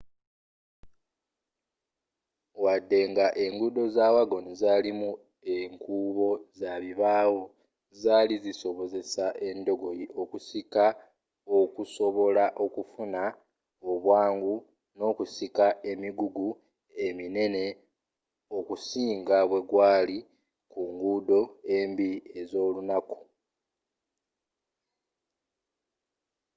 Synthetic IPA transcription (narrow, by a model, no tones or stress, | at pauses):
wadːe̞ŋɡaʔe̞ŋɡudo̞zaːwaɡo̞nizaːlimu | e̞ŋkuːβo̞zaβiβaːwo | zaːliziso̞βo̞ze̞saʔe̞ndo̞ɡo̞jiʔo̞kusika | o̞kuso̞βo̞laʔo̞kufuna | oβwaːŋɡu | no̞ːkusikaʔe̞miɡuɡu | e̞mine̞ne̞ | o̞kusiːŋɡaβwe̞ɡwaːli | kuŋɡuːdo̞e̞mbie̞zo̞ːlunaku̥